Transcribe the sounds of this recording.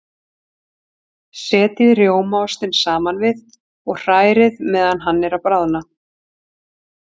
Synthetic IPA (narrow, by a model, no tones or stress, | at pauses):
sɛːt̪ɪðɾjoːwmawst̪ɪnsaːmanvɪð | ɔɣr̥aːjɾɪðmɛːðanɦanːɪɾawpɾaːwðna